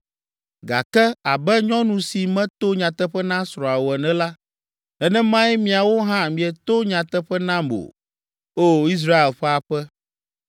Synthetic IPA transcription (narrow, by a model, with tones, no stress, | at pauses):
ɡa̰˨kɛ˦a˨bɛ˦ɲɔ̃˦nũ˨si˨mɛ̃˦t̪o˦ɲã˨t̪ɛ˦ɸɛ˦nã˦sɾɔ̃˨a˨wo˨ɛ˨nɛ̃˦la˦ | ɛ˦nɛ̃˦mã˦jɛ˦mĩ˨a˨wo˦ɦã˦mĩ˨ɛ˨t̪o˦ɲã˨t̪ɛ˦ɸɛ˦nã˦mo̰˨ | o˦i˦s̬ɾa˦e˨lɸɛ˦a˨ɸɛ˦